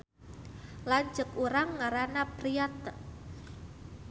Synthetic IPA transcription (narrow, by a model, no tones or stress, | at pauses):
laɲd͡ʒəkuɾaŋːaɾanapɾiat̪̚